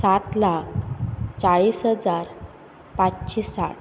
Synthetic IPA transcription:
sat̪lakʰt͡saɭisɦəd͡zaɾ | patt͡ɕisa̰ɽ

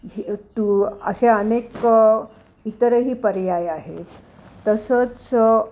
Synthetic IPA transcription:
t̪uəɕeənek | it̪əɾəɦiːpəɾjajaɦḛt̪ | t̪ːəsət͡s

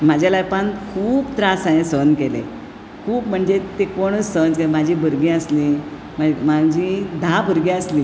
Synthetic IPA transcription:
mad͡ʑʱalajpankʰuːbt̪ɾasãjẽsənkelḛ | kʰuːpm̤əɳd͡zet̪ekoɽ̃əənd͡zkemad͡ʑʱiːbʱəɾɡĩəsli | mamad͡ʑʱĩd̪ʱabʱəɾɡĩəsliː

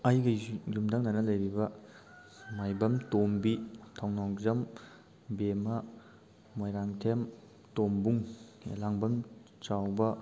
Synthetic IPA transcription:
ɐjɡɐjumdɐŋnɐnɐlɐjɾibɐ | majbɐmtombitʰawnawzɐm | bemɐː | ojɾaŋtʰem | tombuŋ̰laŋbɐm | t͡ʃawbɐ

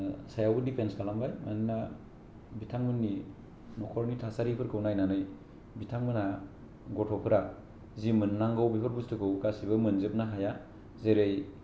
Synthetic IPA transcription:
sajawbɯdipʰenskalambajma̰nina | bitʰaŋmɯnːi | nɔkʰɔɾnitʰasaɾipʰɯɾkʰɯwnajnanɯj | bitʰaŋmɯna | ɡɔtʰɔpʰɯɾa | zimɯnːaŋɡawbipʰɯɾbustʰɯkʰɯwkasiβɯmɯnzɯp̚naɦaja | zeɾej

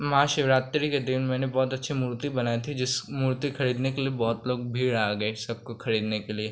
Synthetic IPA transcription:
mɐɦãʃɪʋɾaːt̪ɾiked̪ɪnmɛːnebɔːt̪ɐtːʃʰimuːɾt̪ibɐnaːit̪ʰid͡ʒɪsmuːɾt̪ikʰɐɾiːd̪nekeliebɔːt̪loːɡ̚bʱiːɽaːɡɐesɐb̚kokʰɐɾiːd̪nekelie

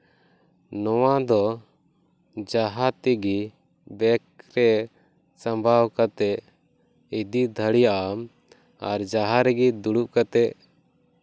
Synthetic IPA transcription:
nɔwad̪ɔ | d͡ʒaɦat̪iɡi | bɛk̚ɾɛ | sãmbʱawkat̪ɛʔ | id̪id̪ʱəɽijaʔam | aɾd͡ʒaɦaɾɛɡid̪uɽuʔkat̪ɛʔ

